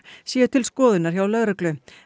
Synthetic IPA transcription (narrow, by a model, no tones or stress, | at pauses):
sjɛːʏt̪ʰɪlskɔːðɪnaɾ̥çawlœɣɾʏklʏ